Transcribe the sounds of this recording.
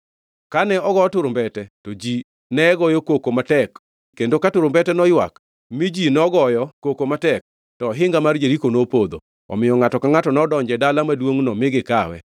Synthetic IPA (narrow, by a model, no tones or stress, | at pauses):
kanɛɔɡɔtʊɾʊmbɛtɛtod͡ʒi | nɛɡɔjɔkokomatɛk | kendokatʊɾombɛtɛnɔjwa̰k | mid͡ʒinɔɡɔjɔkokomatɛk̚ | tɔɦɪŋɡamard͡ʒeɾikonopod̪o̰ | ɔ̰mɪjɔŋatɔkaŋatɔnɔdɔɲd͡ʒɛdalamadwoŋnɔmɪɡɪkawɛ̰